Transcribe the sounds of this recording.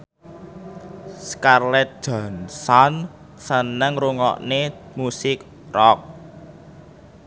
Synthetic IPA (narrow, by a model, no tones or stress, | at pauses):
skarlɛt̪̚d̥ʒ̥a̤nsan | sənəŋruŋɔ̰ʔnemusɪk̚ | rɔk̚